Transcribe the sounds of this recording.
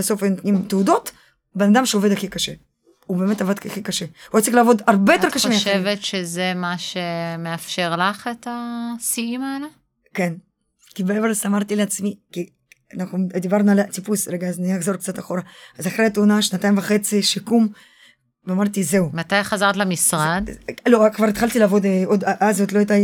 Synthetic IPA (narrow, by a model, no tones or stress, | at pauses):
beso̞faint̪nimt̪eud̪ot̪ | benad̪amʃeoved̪aχikaʃe | ubemet̪avad̪aχikaʃehuat͡sixlaːvo̞d̪aɾbejoekaʃemeaʃevet̪ʃezemaʃemeafʃeʁlaχet̪asiimaela | ken | kibeevelsamaʁt̪ileat͡smiki | anaχnud̪ibaʁnualat͡sipusɾeɡaazniaχzo̞ɾk̚t͡sat̪aχo̞ɾaazaχɾejat̪uːnaʃnat̪aimvaχet͡siʃikum | veamaʁt̪izeumat̪ajχazaʁt̪lamisʁad̪lokvaɾit̪χalt̪ilaːvo̞d̪od̪aʔazot̪load̪aj